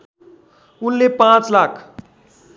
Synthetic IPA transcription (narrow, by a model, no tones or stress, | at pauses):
ʊnlepãt͡slakʰ